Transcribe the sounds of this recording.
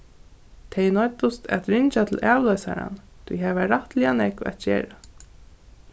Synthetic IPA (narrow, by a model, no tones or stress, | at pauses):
t̪ʰɛjnɔt̪ʊst̪ɛt̪ɾɪɲt͡ʃat̪ʰɪlʔæːʋlœjsa̰ɾa̰n | t̪ʰujɦɛʋaɾaht̪lɪanɛkvæ̰t̪̚d͡ʒɛːɾa